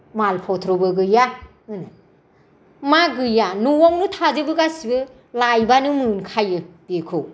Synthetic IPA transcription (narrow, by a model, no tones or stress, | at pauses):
malpʰɔt̪ʰɾɔbɯɡɯja | ɯnɯ | maɡɯjanuwɔŋnɯtʰazɯbɯɡasibɯ | lajbanɯmɯnkʰajɯb̥ekʰɯw